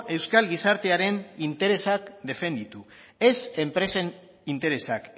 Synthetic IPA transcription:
e̞wskalɡisaɾt̪e̞aɾe̞nint̪e̞ɾe̞sakd̪e̞fe̞nd̪it̪u | e̞sempɾe̞sen | int̪e̞ɾe̞sak

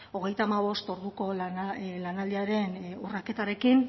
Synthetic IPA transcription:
o̞ɣ̞e̞jt̪aːmaβo̞st̪o̞ɾðuko̞llanald̪iaɾe̞nurake̞t̪aɾe̞kin

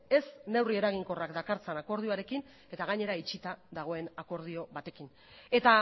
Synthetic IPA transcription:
e̞sne̞wrie̞ɾaɣ̞iŋko̞rakd̪akaɾt͡senako̞ɾð̞io̞aɾe̞kin | e̞t̪aɣ̞aɲe̞ɾait͡ʃit̪aðaɣ̞o̞e̞nako̞ɾð̞io̞βat̪e̞kin | e̞t̪a

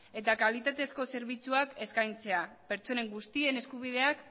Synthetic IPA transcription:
e̞t̪akalit̪at̪e̞sko̞se̞ɾβ̞it͡suake̞skajnt͡se̞ape̞ɾt͡so̞ne̞ŋɡust̪ie̞ne̞skuβ̞ið̞e̞ak

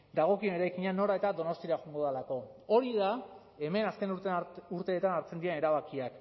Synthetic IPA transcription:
d̪aɣ̞o̞kie̞ne̞ɾajkiɲano̞ɾae̞t̪ad̪o̞no̞st̪iaɣuŋɡo̞ðalako̞o̞ɾiða | e̞me̞naske̞nuɾuɾt̪e̞ːt̪anaɾt͡send̪iene̞ɾaβakiak

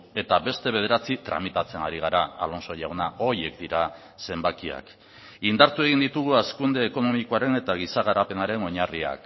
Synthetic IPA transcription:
e̞t̪aβe̞st̪e̞βe̞ð̞e̞ɾat͡sit̪ɾa̰mit̪at͡se̞naɾiɣ̞aɾaa̰lo̞nso̞ʝawnao̞ɾie̞k̚d̪iɾa | se̞mbakia̰k | ind̪aɾt̪ue̞ɣ̞ind̪it̪uɣ̞uaskund̪e̞ːko̞no̞mikoaɾe̞ne̞t̪aɣ̞isaɣaɾape̞naɾe̞no̞ɲaria̰k

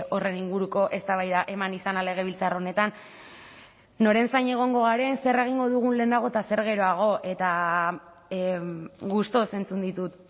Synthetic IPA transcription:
o̞re̞niŋɡuɾuko̞ʔe̞st̪aβajðaʔe̞manisanale̞ɣ̞e̞β̞ilt͡saro̞ne̞t̪an | o̞ɾe̞nsajɲe̞ɣ̞o̞ŋɡo̞ɣaɾe̞nse̞re̞ɣ̞iŋɡo̞ðuɣ̞unle̞ːnaɣ̞o̞t̪ase̞ɾɣe̞ɾo̞aɣ̞o̞ʔe̞t̪a | ɣust̪o̞se̞nt͡sund̪it̪ut̪

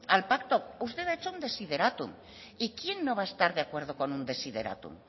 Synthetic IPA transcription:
alpakt̪oust̪e̞ðaet͡ʃound̪e̞sið̞e̞ɾat̪ṵm | ikje̞nːoβae̞st̪aɾðeakwe̞ɾð̞oko̞nund̪e̞sið̞e̞ɾa̰t̪ṵm

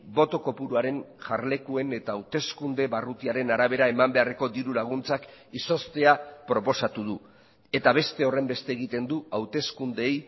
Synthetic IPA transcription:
bo̞t̪o̞ko̞puɾuaɾe̞nʝaɾle̞kue̞ne̞t̪aːwt̪e̞skund̪e̞βarut̪iaɾe̞naɾaβ̞e̞ɾae̞mambe̞are̞ko̞d̪iɾulaɣ̞unt͡sakiso̞st̪e̞apɾo̞po̞sat̪uð̞u | e̞t̪aβ̞e̞st̪e̞o̞re̞mbe̞st̪eːɣ̞it̪e̞nd̪uawt̪e̞skund̪e̞j

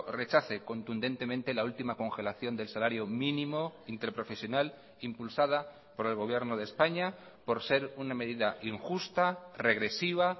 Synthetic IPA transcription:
re̞t͡ʃaθe̞ko̞nt̪und̪e̞nt̪e̞mẽnt̪e̞lault̪imako̞ŋxe̞laθjo̞nd̪e̞lsalaɾjo̞mĩnĩmo̞int̪e̞ɾpɾo̞fe̞sjo̞nal | impulsað̞a | po̞ɾe̞lɣ̞o̞β̞je̞ɾnoð̞e̞spaɲa | po̞ɾse̞ɾuname̞ðiðaʔiŋxust̪are̞ɣ̞ɾe̞siβ̞a

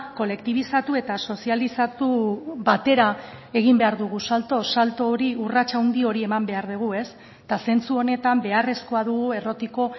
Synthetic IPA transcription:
ko̞le̞kt̪iβ̞isat̪ue̞t̪aso̞sialisat̪ubat̪e̞ɾae̞ɣ̞imbe̞aɾðuɣ̞usalt̪o̞salt̪o̞ɾiurat͡ʃawnd̪io̞ɾie̞mambe̞aɾðuɣ̞ue̞s | t̪ase̞nt͡suo̞ne̞t̪ambe̞are̞sko̞aðuɣue̞ro̞t̪iko̞

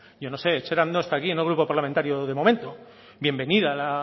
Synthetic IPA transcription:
ɟ͡ʝo̞no̞se̞ːt͡ʃeɾand̪oest̪aːkienelɣɾupopaɾlament̪aɾjoðe̞mo̞mẽnt̪o̞ | bje̞mbe̞niðala

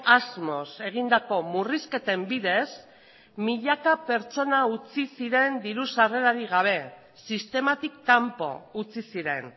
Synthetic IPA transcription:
azmo̞se̞ɣ̞ind̪ako̞muriske̞t̪e̞mbiðe̞s | miʎakape̞ɾt͡ʃo̞naut͡sisiɾe̞nd̪iɾusare̞ɾaɾiɣ̞aβ̞e̞ | sist̪e̞mat̪ikːampo̞̰ut͡sisiɾe̞n

